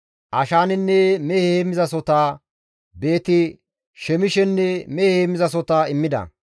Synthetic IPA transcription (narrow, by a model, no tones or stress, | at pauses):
ʔɐʃaːnɪnːɛmɛhheːmɪzɐsɔt̪aː | be̞ːt̪ɪ | ʃɛmɪʃɛnːɛmɛhheːmːɪzɐs̬ɔt̪aːɪmːɪd̪ɐ̰